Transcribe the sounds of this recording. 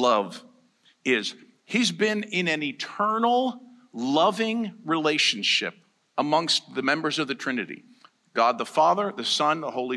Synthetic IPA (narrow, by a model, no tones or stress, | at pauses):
lʌv | ɪz̥ | hizbɪ̃nɪ̃nɨ̃nitʰɜ˞nl̩ˠ | lʌvɪ̃ŋɹileɪʃɨn̩ʃɪ̰p̚ | əmʌ̃ŋst̚ðɨmɛ̃mbə˞zʌvðɨtʰɹ̥ɪ̃nɨɾḭ | ɡ̥ɑd̪̚ðəfɑðə˞ðɨsʌ̃nðəhoʊlˠi